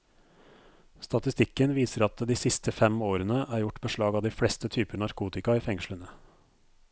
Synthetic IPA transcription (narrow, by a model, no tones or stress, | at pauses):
st̪ɑt̪ɪst̪ɪkːənʋiːsəɾɑt̪d̪iːsɪst̪əfɛmoːɾənəʔæːɾjʊʈːbəʂɭɑːɡɑːd̪ɪːfɽɛst̪ət̪ʰyːpəɳɑɾkʰuːt̪ɪkɑiːfɛŋʃɭənə